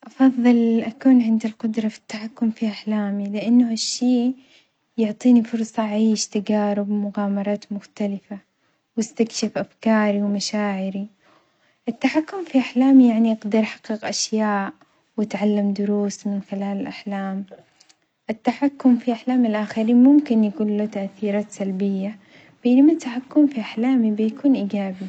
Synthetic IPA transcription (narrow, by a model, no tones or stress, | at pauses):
ʔɑfɑðˤːɨlʔakuːnʕɪnd̪ɪlqʊd̪ɾˤɑfi̥t̪ːaħakːʊmfiʔaħlaːmilɪʔɪnːʊhaʃːiː | jʊʕt̪ˤiːnifʊɾˤsˤɑʔʕiːʃt̪aɡaːɾʊbmʊɣaːmɑɾˤɑːt̪mʊxt̪alɪfa | wɪst̪akʃɪfʔafkɑːɾiwmaʃaːʕɪɾi | ʔɪt̪ːaħakːʊmfiʔaħlaːmijaʕniʔɑɡd̪ɑɾˤħɑ̥qːɪqʔaʃjaːʔ | wɪt̪ʕalːamd̪ʊɾuːsmɪnxɪlaːlɪlʔaħlaːm | ʔɪt̪ːaħakːʊmfiʔaħlaːmɪlʔaxaɾiːnmʊmkɪnjakuːnlut̪aʔθiːɾɑːt̪salbɪjːa | b̥enamat̪ːaħakːʊmfiʔaħlaːmibɪjkuːnʔiːɡaːbi